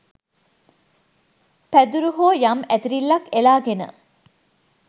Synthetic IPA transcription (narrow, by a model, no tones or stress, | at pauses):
pæd̪uɾuɦoːjamæt̪iɾilːɐkelaːɡenə̰